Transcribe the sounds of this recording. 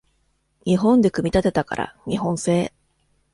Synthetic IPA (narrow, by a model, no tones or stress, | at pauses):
ɲ̟iɦõ̞nd̪e̞kɯ̟mʲit̪at̪e̞t̪aka̰ɾa̰ɲ̟iɦõ̞ɰ̃se̞ː